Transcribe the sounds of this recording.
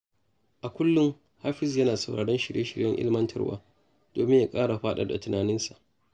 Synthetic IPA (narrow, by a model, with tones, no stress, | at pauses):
ʔa˨kʷʊ˦lːʊ˦ŋ | haː˦ɸɪ˦sjɐ˦naː˨sɐ˨wɽaː˨ɽɛ˦nʃɪ˨ɽjʔe˦ʃɪ˨ɽjɐ˦ŋʔɪ̰˦lɪ˦mɐ˦ntʰɐ̰˦rwa̰ː˦ | d̥oː˨mɪ˦ɲja˨kʼaː˦ɽa˨ɸaː˦ɗɐ˦da̰˨tʊ˨naː˨nɪ˦nsa˨ʔ